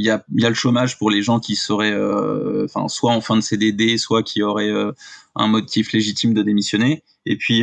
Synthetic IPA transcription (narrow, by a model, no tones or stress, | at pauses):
iljailjaləʃomaʒpuʁleʒɑ̃kʲisəʁɛø̰ɑ̃fɛ̰̃swaɑ̃fɛ̃d̪əsed̪ed̪eswakʲʰiɔʁɛøɛ̰̃mɔt̪ifleʒit̪imd̪əd̪emisjɔne | epɥi